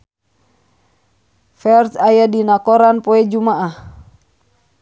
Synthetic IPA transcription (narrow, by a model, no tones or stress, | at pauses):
fɛrsajadinakɔɾanpɔɛd͡ʒumaʔah